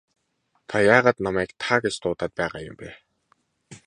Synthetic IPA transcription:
t̪ʰajaːʁaːt̪namæːkt̪ʰaːɡet͡ɕt̪ʰʊːt̪aːt̪̚pæːʁaːjʊ̰mpæː

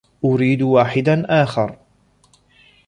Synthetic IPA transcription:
ʔʊɾiːd̪waːħɪd̪anʔaːxɑɾˤ

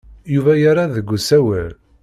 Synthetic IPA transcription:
juvæjaɾˤaðəɡʷːusæwæ̰l

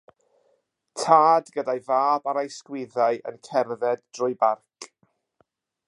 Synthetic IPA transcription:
tʰaːdɡədajvaːbaɾajskwɪðajʔə̰nkʰɛrðɛdd̥rʊjbarkʰ

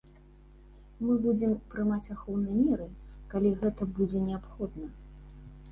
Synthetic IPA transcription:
mɨbud͡zʲɛmpɾɨmat͡sʲaxɔwnɨjɐmʲɛɾɨkalʲiɣɛt̪ɐbud͡zʲɛnʲɛapxɔd̪nɐ

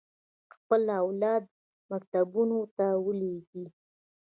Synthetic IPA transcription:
xpəlawlɑd̪ | mak̚t̪abunot̪awəleɡi

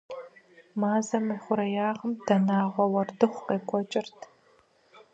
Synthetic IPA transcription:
maːzɐmiːχʷʊɾɐjaːʁəmd̥ɐnaːʁʷɔwɐrdɨχʷqeːkʷʰʼɔt͡ʃʼɪrtʰ

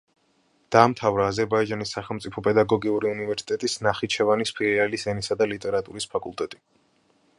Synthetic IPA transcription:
d̪̥aːmt̪ʰavɾaːzɛɾbaid͡ʒanisːaχɛlˠmtsʼipʰɔpʼɛd̪aɡɔɡiuɾiunivɛɾsi̥t̪ʼɛt̪ʼisnaχit͡ʃʰɛvanispʰiɾialisɛnisad̪alit̪ʼɛɾat̪ʼuɾispʰakʼulˠt̪ʼɛt̪ʼi

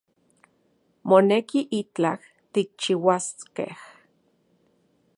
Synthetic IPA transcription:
monekiʔit͡ɬah | t̪ik̚t͡ʃiwaskḛh

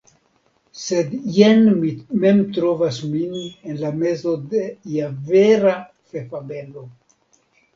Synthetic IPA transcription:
sed̪jenmime̞mt̪ɾo̞vasminenlame̞zo̞deiaveɾa | fe̞fabelo̞

